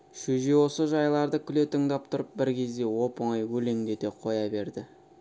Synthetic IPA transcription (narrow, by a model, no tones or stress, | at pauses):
ʃɵʒe̞wo̞səʒɑjlˠɑɾd̪əkʲʰʏle̞t̪əŋd̪ɑp̚t̪ʰʊɾəp̚bɪɾkʲʰe̞zd̪e̞wo̞pəɴɑjwɵle̞ŋɡ̪ʲed̪e̞qʰo̞jɑbe̞ɾd̪ɪ